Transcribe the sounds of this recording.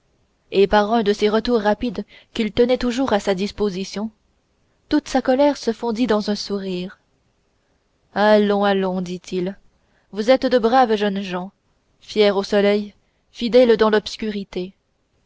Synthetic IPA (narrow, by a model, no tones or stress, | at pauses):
epaʁɛ̃d̪əseʁət̪uʁːapid̪kʲilt̪ənɛt̪uʒuʁasad̪ispozisjɔ̃ | t̪ut̪sakɔlɛʁsəfɔ̃d̪id̪ɑ̃zɛ̃suʁiːʁ | alɔ̃alɔ̃d̪it̪ʰil | vuzɛt̪d̪əbʁavʒœnʒɑ̃ | fjɛʁosɔlɛj | fid̪ɛld̪ɑ̃lɔpskʲyʁit̪e